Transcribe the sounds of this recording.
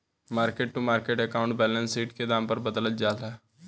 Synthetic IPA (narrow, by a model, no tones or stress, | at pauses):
maːɾkeʈ̚ʈumaːɾkeʈɛkaũɳʈ̚bɛːlənsiːʈked̪ãːmpəɾbəd̪ələt̪̚d͡ʒaːla